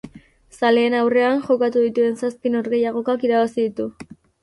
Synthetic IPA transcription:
sale̞ːnawre̞anʝo̞kat̪uðit̪ue̞nsaspino̞ɾɣe̞jaɣ̞o̞kakiɾaβasiðit̪u

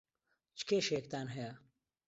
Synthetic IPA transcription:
t͡ʃkeːʃeːk̚t̪aːnɦɐja

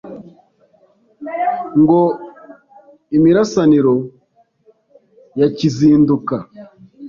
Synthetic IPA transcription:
ŋɡo | imiɾasaniɾo | jaciziːnduka

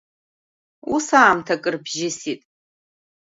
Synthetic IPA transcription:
usaːmtʰakʼɨrbʒɪsitʼ

